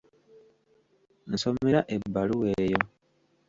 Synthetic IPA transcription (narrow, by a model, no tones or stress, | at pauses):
n̩someɾaʔebːaluweːjo